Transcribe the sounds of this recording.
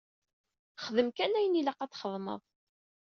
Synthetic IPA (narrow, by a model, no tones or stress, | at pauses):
χðəmkænæjəniləqɑt͡sːχəðˤmə̰ðˤ